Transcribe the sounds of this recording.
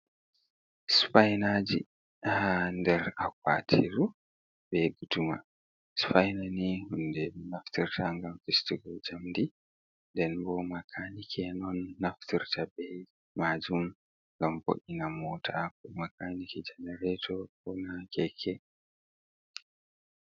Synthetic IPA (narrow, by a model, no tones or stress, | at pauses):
spajnad͡ʒḭ | handɛɾakwa̰tʰiɾu | bɛɡutuma̰ | spajnanihundɛnaftiɾtʰaŋɡamfestiɡald͡ʒamdi | ndɛnbɔmakʰanikʰɛnɔnːaftiɾtʰabɛ | maːd͡ʒum | ŋɡamfo̰ʔinamɔtʰakɔmakaːnikɛd͡ʒɛnɛɾɛtʰɔkɔnakɛkʰɛ